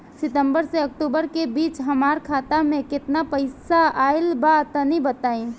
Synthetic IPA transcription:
sɪt̪ə̃mbəɾseɐk̚ʈuːbəɾkebiːt͡ʃɦɐmaːɾkʰaːt̪amẽkɪt̪napɐɪsaaːɪlbat̪ənibət̪aːĩː

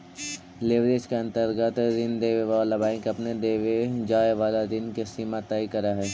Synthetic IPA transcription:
leːʋɾeːd͡ʒkeɐ̃nt̪əɾɡət̪d̪ɪnd̪eːʋeʋalabaːɪ̃kɐpned̪eːʋed͡ʒaːeʋaːlad̪ɪnkesiːmat̪aːikɐɾaɦɛː

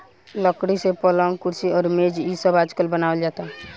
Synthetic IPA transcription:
ləkɽisepɔlaŋkuɾsiɔɾmed͡ʒisəbad͡ʒkəlbənaəld͡ʒat̪a

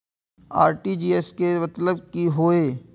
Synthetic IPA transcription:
a̰ːɾʈid͡ʒiːeskemɐt̪ləb̚kiɦoːeː

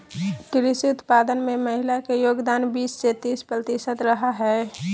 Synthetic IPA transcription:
kɪɾɪsiʊt̪paːd̪ənmẽməɦɪlakejoːɡd̪aːnbiːsːet̪iːspɾət̪ɪʃət̪ɾəɦaɦɛː

